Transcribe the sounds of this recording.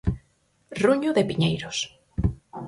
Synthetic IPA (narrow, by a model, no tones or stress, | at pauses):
ruɲʊðepiɲejɾʊs